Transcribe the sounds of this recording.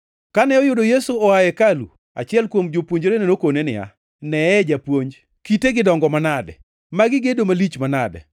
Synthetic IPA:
kanɛɔjʊdojesuɔajɛkalṵ | a̰t͡ʃɪɛlkwomd͡ʒopwoɲd͡ʒoɾenenokonenɪ̰a̰ | nɛɛd͡ʒapwoɲd͡ʒ | kiteɡɪdɔŋɡɔmanadɛ̰ | maɡɪɡedomalit͡ʃmanadɛ̰

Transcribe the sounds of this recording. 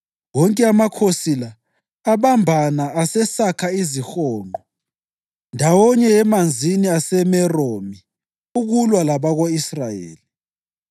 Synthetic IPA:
wɔŋkʼɛamakʰosilaː | βambʱanaːsɛsakʰaizixɔːŋʱɔ | ndʱawɔɲɛɛmand͡zʱiniasɛmɛromi | uɣulwalaβaɣoisrajḛːli

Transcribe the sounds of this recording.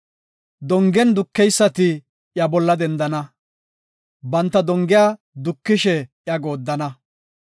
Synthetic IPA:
d̪ɔŋɡɛnd̪ʊkːɛjsːɐt̪ɪ | jɐbɔlːɐd̪ɛnd̪ɐnɐ | bɐnt̪ːɐd̪ɔŋɡɪjaː | d̪ʊkːɪʃɛjɐɡo̞ːd̪ːɐnɐ

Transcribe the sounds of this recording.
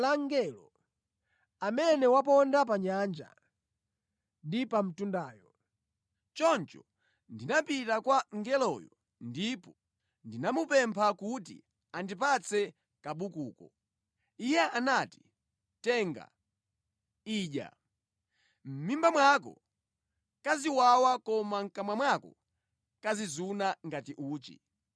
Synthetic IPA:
laŋɡɛlɔ | amɛnɛwapɔndap̬aɲand͡ʒa̰ | ndipam̩tundaːjɔ | t͡ʃɔnt͡ʃɔ | ndinapitakwaŋɡɛlɔjɔ | ndipɔ | ndinamupɛmpʰakutḭ | andip̬at͡sʰɛ | kaɓukuːkɔ̰ | ijɛanati̥ | tɛːŋɡa̰ | iːʄa̰ | m̩mimbamwakɔ̰ | kaziwawakɔmaŋ̩kamwamwakɔ̰ | kazizunaŋɡatiʔuːt͡ʃḭ

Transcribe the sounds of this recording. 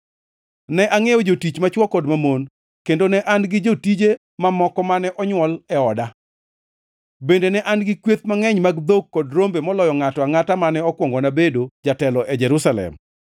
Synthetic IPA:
nɛʔaŋejɔd͡ʒotit͡ʃmat͡ʃwɔkɔdmamon | kendonɛʔanɡɪd͡ʒotid͡ʒe | mamɔkɔmanɛʔɔɲwɔlɛɔda | bendenɛʔanɡɪkwet̪̚maŋɛɲmaɡd̪okːodɾombemɔlɔjɔŋatɔaŋatamanɛɔkwɔŋɡɔnabedod͡ʒatɛlɔʔɛd͡ʒɛɾusalɛ̰m

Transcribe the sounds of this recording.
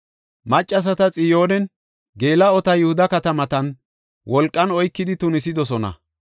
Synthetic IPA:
mɐt͡ʃʼːɐs̬ɐt̪ɐt͡sʼɪjo̞ːnɛn | ɡe̞ːlɐɔt̪ɐjʊhʊd̪ɐkɐt̪ɐmɐt̪ɐn | wɔlkʼːɐnɔjkːɪd̪ɪt̪ʊnɪsɪd̪ɔsɔnɐ̰

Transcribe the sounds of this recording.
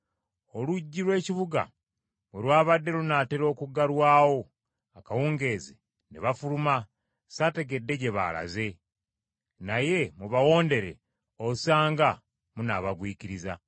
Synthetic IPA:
o̞luɟːiɾwe̞ːciβuɡa̰ | mwelwaːβadːe̞lunaːteɾo̞ːkuɡalwaːwo̞ | akawuːŋɡe̞ːze | neβafuluma | sate̞ɡe̞dːe̞ɟe̞βa̰la̰ze̞ | naje̞muβawo̞ːnde̞ɾe̞̰ | osaːŋɡa | munaβaɡwiːciɾiza

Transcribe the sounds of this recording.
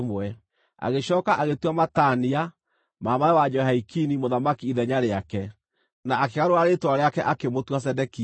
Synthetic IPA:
mwɛ | a̰ɣeʃɔːkaʔaɣetwamatania | mamaɛwad͡ʒɔhaikinimoðamakiiðɛɲaɾeakɛ | naʔːkeɣaɾoaɾetoaɾeakɛʔakemotwas̬ɛdɛki

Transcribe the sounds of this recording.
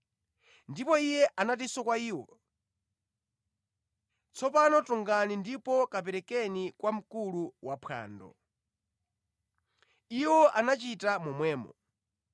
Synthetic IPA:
ndipɔijɛʔanat̬isɔkwaiːwɔ̰ | t͡sʰɔpanɔtɔŋɡanindipɔkap̬ɛɾɛkɛnikwam̩kuluwapʰa̰ːndɔ̰ | iwɔʔanat͡ʃitamɔmwɛːmɔ

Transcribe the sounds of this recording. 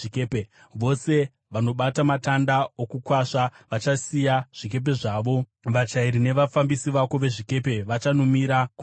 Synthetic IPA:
kepe | ʋo̞se̞ | ʋano̞ɓatamatandaokukwaʂaʋat͡ʃasijaʐ̥ike̞p̬e̞ʐaːʋo̞ | ʋat͡ʃaiɾine̞ʋafambisiʋako̞ʋe̞ʐike̞pe̞ʋat͡ʃanomiɾaku

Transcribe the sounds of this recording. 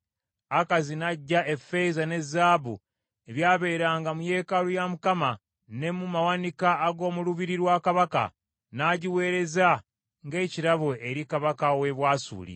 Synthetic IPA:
akazinaɟːae̞fe̞zane̞zaːβu | e̞βjaːβe̞ɾaːŋɡamuje̞ːkalujamukama | ne̞mumawanikaːɡo̞ːmuluβiɾiɾwaːkaβaka̰ | naɟiwe̞ːɾe̞za | ŋɡe̞ːciɾaβoʔeɾikaβakawe̞βwaːsṵːlḭ

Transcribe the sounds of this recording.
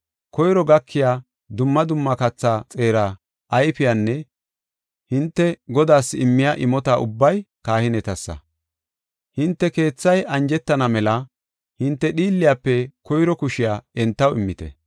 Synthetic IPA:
kɔjɾɔɡɐkʰːɪjaː | d̪ʊmːɐd̪ʊmːɐkɐt͡sːat͡sʼe̞ːɾa | ʔɐjpɪjanːɛ | hɪnt̪ːɛɡɔd̪aːsɪmːɪjaʔɪmɔt̪aʔʊbːɐjkaːhɪnɛt̪ɐsːɐ̰ | hɪnt̪ːɛke̞ːt͡sːɐjʔɐnd͡ʒɛt̪ːɐnɐmɛlɐ | hɪnt̪ːɛɗiːlːɪjaːpːɛkɔjɾɔkʊʃɪjaːɛnt̪ːɐwɪmːɪt̪ɛ̰

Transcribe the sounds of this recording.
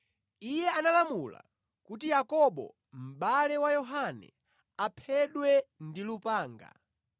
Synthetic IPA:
ijɛanalamula̰ | kutijakɔɓɔ̰ | m̩ɓalɛwajɔɦanɛ̰ | apʰɛɗwɛndilupaːŋɡa̰

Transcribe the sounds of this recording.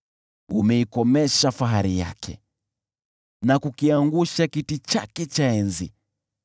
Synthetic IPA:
ṵmɛikɔmɛʃafaɦaɾija̰kʰɛ̰ | nakukiaŋɡuʃakitit͡ʃa̰kɛt͡ʃaɛnzḭ

